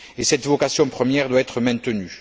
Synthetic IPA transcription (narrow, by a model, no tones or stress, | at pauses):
esɛt̪vɔkasjɔ̃pχəmjɛʁd̪waɛt̪χəmɛ̃t̪əny